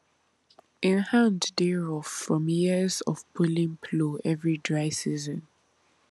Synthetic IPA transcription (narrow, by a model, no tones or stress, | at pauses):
ɪ̃nhãnddeɹɔffɹɔ̃mjiəzɔ̰vbulĩŋpʰloɛvɹidɹaɪsizɔ̃n